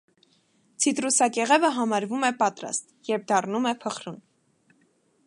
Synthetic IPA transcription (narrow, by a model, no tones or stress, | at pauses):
t͡sʰit̪ɾusɑkɛʁɛvəɦɑmɑɾvumɛpɑt̪ɾɑ̰st̪jɛɾp̚d̪ɑrnumɛpʰəχɾun